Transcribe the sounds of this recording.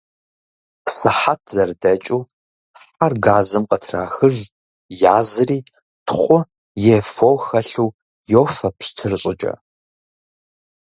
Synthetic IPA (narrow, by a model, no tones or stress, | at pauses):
sɨħatʰzɐrdɐt͡ʃʼuː | ħarɡaːzɨmqʼɐtʰra̰ːxɨʒʷ | jaːzɨriː | tʰχʷʼʊ | jefowxɐɬuː | joːfɐpɕtʰɨrɨɕʼɪt͡ʃʼɐ̰